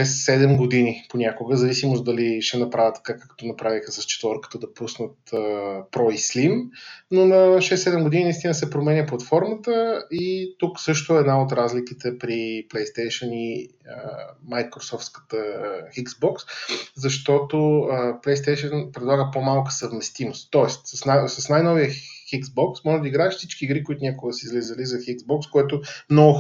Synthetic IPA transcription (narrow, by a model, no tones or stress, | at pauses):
ʃɛsːɛd̪ɛmɡod̪iniponʲakʊɡəzɐvisimosd̪ɐliʃɛnɐpɾavʲət̪ːɐ̥kakakt̪ɔnɐpɾavixəsɐst͡ʃɛ̥t̪voɾkə̥t̪əd̪ɐpusnət̪əpɾɔislimnonɐʃɛsːɛd̪ɛmɡod̪ininɐist̪ʲinəsɛpɾomɛnʲəplˠɐt̪fɔɾmət̪əit̪uksɤʃt̪ʊɛɛd̪naot̪ɾazlikit̪ɛpɾiplɛjst̪ɛjʃəni | əmajkɾosɔft̪skə̥t̪əxiksbɔkszɐʃt̪ɔt̪oəplɛjst̪ɛjʃənpɾɛd̪lˠaɡəpomalˠkə̥səvmɛst̪imost̪ːɔɛst̪ssnasɐsnajnɔviəxiksbɔksmɔʒɛd̪əiɡɾaɛʃfsit͡ʃkiːɡɾikoit̪ʊnʲakoɡəsiizlizəlizɐxiɡzbɔkskoɛt̪ʊmnɔɡʊ